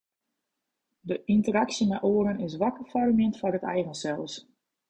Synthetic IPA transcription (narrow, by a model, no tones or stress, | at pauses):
dəʔintəɾaksəmɛʔoəɾənɪsʋakəfarəmɪntfɔrətɛ̰jɣənsɛlˠs